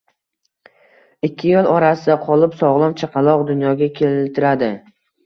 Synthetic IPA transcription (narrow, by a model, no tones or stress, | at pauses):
ɪkʲʰːɪjolˠɒɾasɪd̪aqʰɒlˠɪpsɒʁlˠɒmt͡ʃʰaqʰɑlˠɒqd̪ʊnjɒɡʲakʲʰe̞lɪlt̪ʰɪɾad̪ɪ